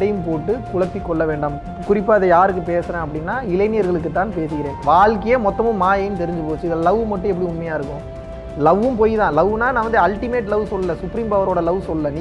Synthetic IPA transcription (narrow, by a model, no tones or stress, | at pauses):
ɽɐjɯmpoːʈːɯkʊɻɐpːikːɔɭːɐʋeːɳɖam | kʊɾɪpːaːɐðɐjaːɾɯkːɯpeːsɐɾẽːɐpːɐɽɪnːaːɪlɐɪnɪjɐɾɣɐɭɯkːɯt̪ːãːnpeːsɯkɪɾẽːʋaːɭkɐjeːmɔt̪ːɐmʊ̃maːjɐːnɯt̪ɛɾɪɲd͡ʒɯpoːt͡ʃːɯɐlɐʋmɐʈːɛpːɐɽiʊmːɐjaːɪɾɯkːʊ̃ | lɐʋɯmpoːjt̪ãːlɐʋɯnaːnãːʋɐnd̪ɯɐlʈɪmeːʈlɐʋsɔlːɯlɐsʊpːɾiːmpɐʋɐɾoːɽɐlɐʋsɔlːɯlɐnː